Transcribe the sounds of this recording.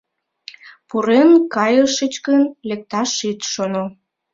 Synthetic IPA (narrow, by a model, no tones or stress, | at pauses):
puɾenkɑjəʃət͡ɕkənlek̚t̪ɑʃit̪ʃono